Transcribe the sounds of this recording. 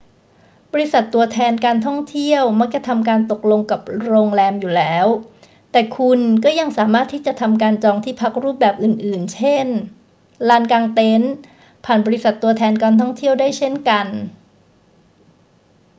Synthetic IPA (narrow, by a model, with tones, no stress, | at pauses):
bɔː˧ɾi˧˥sa˨˩t̪ːu˧ɐt̪ʰɛː˧nkaː˧nt̪ʰɔ˥˩ŋt̪ʰi˥˩əwma˦˥k̚t͡ɕa˨˩t̪ʰa˧mkaː˧nt̪o˨˩k̚lo˧ŋka˨˩p̚ɾoː˧ŋlɛː˧mjuː˨˩lɛː˦˥w | t̪ɛː˨˩kʰu˧nkɔː˥˩ja˧ŋsaː˩˦maː˥˩t̪ʰːiː˥˩t͡ɕa˨˩t̪ʰa˧mkaː˧nt͡ɕɔː˧ŋt̪ʰiː˥˩pʰa˦˥k̚ɾuː˥˩p̚bɛː˨˩p̚ʔɯː˨˩nʔɯː˨˩nt͡ɕʰe˥˩n | laː˦˥nkaː˧ŋt̪e˦˥n | pʰaː˨˩nbɔː˧ɾi˦˥sa˨˩t̪ːu˧ɐt̪ʰɛː˧nkaː˧nt̪ʰɔ˥˩ŋt̪ʰi˥˩əwdaː˥˩jt͡ɕʰe˥˩nka˧n